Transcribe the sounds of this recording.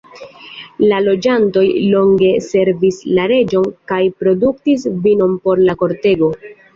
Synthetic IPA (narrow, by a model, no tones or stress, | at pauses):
lalo̞d͡ʒanto̞jlo̞ŋɡe̞se̞ɾvislaɾe̞d͡ʒo̞nkajpɾo̞duktis̬vino̞mpo̞ɾlako̞ɾte̞ɡo̞